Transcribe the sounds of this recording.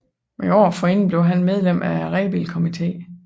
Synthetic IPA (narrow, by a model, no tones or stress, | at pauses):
meɒ̰ːfɒen̩b̥le̝ʊɦænmeð̞ˠlem̰æʁɛ̰b̥ilkʰo̝mit͡sʰe̝̰ː